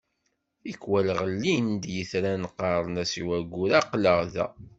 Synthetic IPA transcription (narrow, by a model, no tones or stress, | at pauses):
θikwælʁəlːind̪jəθɾænqɑɾˤnæsiwæɡːuɾaqləʁðæ̰